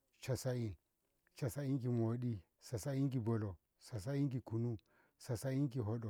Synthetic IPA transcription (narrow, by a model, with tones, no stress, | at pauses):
t͡ʃa˨sa˦i˦n | t͡ʃa˨sa˦i˦k̬i˨mo˨ɗi˦ | sa˨sa˦i˦ŋk̬i˨bo˨lo˨ | sa˨s̬a˦i˦ŋk̬i˨ku˨nu˦ | sa˨sa˦i˦ŋki˨ɦo˦ɗo˨